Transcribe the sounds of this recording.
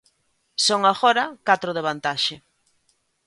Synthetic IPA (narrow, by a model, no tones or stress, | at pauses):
soŋaɣoɾɐkat̪ɾʊðeβ̞ant̪aʃɪ